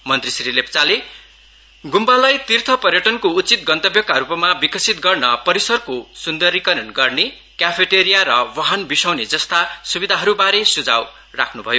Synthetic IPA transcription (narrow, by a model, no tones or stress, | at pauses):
mʌnt̪risɾilept͡sale | ɡumbalajt̪irt̪ʰʌpʌrjʌʈʌnkout͡sit̪̚ɡʌnt̪ʌbjʌkaɾupʌmabikʌsit̪̚ɡʌrnʌpʌɾisʌrkosund̪ʌrikʌɾʌnɡʌrne | kjapʰeʈeɾijaɾʌwʌɦʌnbisawned͡zʌst̪asubid̪ʱaɦʌɾubaɾesud͡za̰w | ra̰kʰnubʱʌjo